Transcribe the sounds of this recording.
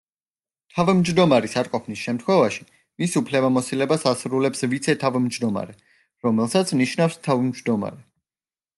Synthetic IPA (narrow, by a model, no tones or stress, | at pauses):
t̪ʰavmd͡ʒd̪ɔmaɾisaɾqʼɔpʰnisʃɛmt̪ʰχwɛvaʃi̥ | misupʰlɛbamɔsilɛbasasɾulɛpsvit̪sʰɛt̪ʰavimd͡ʒd̪ɔma̰ɾɛ | ɾɔmɛlˠsat̪sʰniʃnafst̪ʰavmd͡ʒd̪ɔma̰ɾɛ